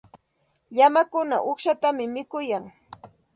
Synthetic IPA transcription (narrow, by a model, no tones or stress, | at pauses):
ʎamakʊnaʔoχʃat̪amɪmɪkʊjaŋ